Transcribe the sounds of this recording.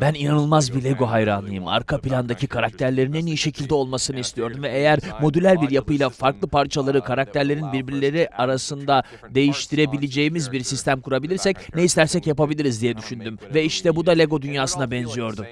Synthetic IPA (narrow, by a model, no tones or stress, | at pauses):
bæninanɯlˠmazbilʲeɡo̞ɦajɾanˠɯjɯma̰ɾkʰapilʲand̪acʰikʰaɾak̚t̪ʰæɾlʲeɾinenijiʃe̞cʰilʲd̪ɛo̞lˠmasɯnɯist̪ʰijo̞ɾd̪umvɛejæɾmo̞d̪ylʲæɾbiɾjapɯjlˠafaɾklˠɯpaɾt͡ʃʰalˠaɾɯkʰaɾak̚t̪ʰæɾlʲe̞ɾinbiɾbiɾlʲe̞ɾiaɾasɯnd̪a | d̪e̞jiʃt̪ʰiɾe̞bilʲed͡ʒe̞jimizbiɾsist̪ʰæmkʰuɾabilʲiɾsɛcneist̪ʰæɾsɛcjapabilʲiɾizd̪ijɛd̪yʃynd̪ymvɛiʃt̪ʰɛbud̪alʲeɡo̞d̪ynjaːsɯnabɛnzyjo̞ɾd̪um